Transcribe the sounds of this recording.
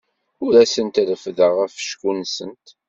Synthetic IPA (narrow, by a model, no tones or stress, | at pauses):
ʊɾæsənt̪ɾəfðəʁəfʃkunsənt̪